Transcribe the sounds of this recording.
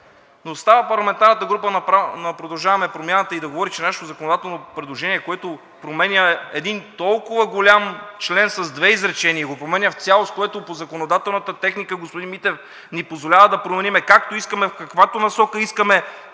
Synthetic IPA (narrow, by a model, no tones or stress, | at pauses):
nost̪avəpɐɾlˠɐmɛnt̪aɾnət̪əɡɾup̬ənɐpanɐpɾod̪ɐlˠʒavɐmɛpɾomʲjanət̪əid̪ɐɡovɔɾit͡ʃɛnaʃɛ̥t̪ozɐkonod̪at̪ɛlˠnopɾɛd̪lˠoʒɛniɛkoɛt̪o | pɾomɛnʲəɛd̪int̪ɔlˠkʊvəɡolʲamt͡ʃlɛnsɐzd̪vɛizɾɛt͡ʃɛniəɡopɾomɛnʲjəft̪sʲalˠost̪̚koɛt̪opozɐkonod̪at̪ɛlˠnət̪ət̪ɛxnikəɡospod̪inmit̪ɛf | nipozvolʲavəd̪ɐpɾomɛnimɛkak̚t̪oiskəmɛfkɐkvat̪onɐsɔkəiskəmɛ